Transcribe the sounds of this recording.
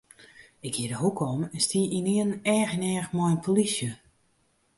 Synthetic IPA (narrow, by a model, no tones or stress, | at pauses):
ɪkhiədəɦukʰɔmɛnstiʔiniənɛːxənɛːxmɔjnpʰolisjə